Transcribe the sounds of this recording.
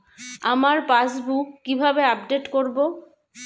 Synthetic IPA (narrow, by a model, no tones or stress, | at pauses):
amaɾpasbukːibʱabeapɖeʈkoɾbo